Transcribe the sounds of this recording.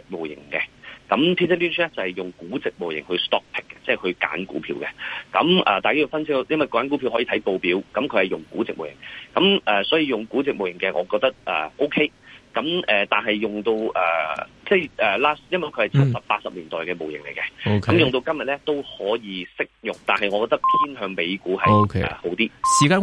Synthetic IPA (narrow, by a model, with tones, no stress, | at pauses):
t͡sɪ˨k̚mo˨wjɪ̰˨˩ŋkɛ˧kɐ˨˥mt̪ʰi˥sʰɛ˥piː˥nt͡ʃlɛ˥t͡sɐ˨hɐ˨˩jjʊ˨ŋkuː˨˥t͡sɪ˨k̚mo˨wjɪ˨˩ŋhɵ˧ɥst̪ɔː˥k̚t̪ʰɪ˥kːɛ̥˧t͡sɛː˥˨hɵ˧ka̰ː˨˥nkṵː˨˥pʰḭː˧wkɛ̰˧kɐ̰˨˧mʔɛ̰ː˨t̪aː˨jkaː˥o˨˩fɐ˥nsʰɪ˥k̚jɐ˥nwɐ˨jkɔː˧kaː˨˥ku˨˥pʰi˧whɔː˨˥ji˧t̪ʰɐ˨˦˥jpo˧wpiː˨˥wkɐ˨˥mkʰɵ˨˧ɥhɐ˨˩jʊ˨ŋkuː˨˥t͡sɪ˨k̚mo˨wjɪ̰˨˩ŋkɐ˨˧˥mʔɛː˨sɔː˨˥jiː˧jʊ˨ŋkuː˨˥t͡sɪ˨k̚mo˨wjɪ˨˩ŋkɛː˧ŋʔɔ̰ː˨˧kɔː˧k̚t̪ɐ˥k̚ʔɛ̰ː˨˩ʔo˥wkʰe˥jkɐ˨˥mɛː˨t̪aː˨˩nɦɐ˨jːʊ˨ŋt̪o˧wɛ̰ː˨˩ | t͡sɛː˥˩jʔɛː˨laː˥sjɐ˥nwɐ˨˩jkʰɵ˧hɐ˨jt͡sʰɐ˥sɐ˨p̚ːaː˧t̚sɐ˨p̚liː˨˩nt̪ɔː˨jkɛː˧mo˨wjɪ˨˩ŋle˨˩jkɛ˧okʰɐ˨˦mjʊ˨ŋt̪o˧wkɐ˥mjɐ˨t̚lɛ˥t̪o˥whɔː˨˥jiː˨˧sɪ˥k̚jʊ˨ŋt̪a̰ː˨nɦɐ˨jŋɔː˨˧kɔː˧kt̪ɐ˥k̚pʰiː˥nɦœː˧ŋme˨˧jkuː˨˥hɐ˨jkʰɛ̰˨ho˨˥wt̪iː˥siː˨kaː˧˥